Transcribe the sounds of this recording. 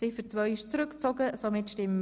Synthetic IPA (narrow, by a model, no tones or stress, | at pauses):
sɪfəɾt͡svœʏɪʃt͡sɾʏkt͡soɡəsomɪtʃtɪm